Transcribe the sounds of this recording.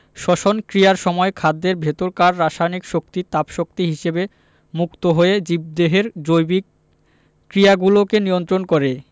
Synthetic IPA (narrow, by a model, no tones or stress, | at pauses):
ʃɔʃonkɾijaɾʃɔmɔekʰad̪ːeɾbʱet̪oɾkaɾːaʃajnikʃokt̪it̪apʃok̚t̪iɦiʃebe | mukt̪oɦoed͡ʑib̚d̪eɦeɾd͡ʑojbi | kɾijaɡulokenijont̪ɾonkoɾe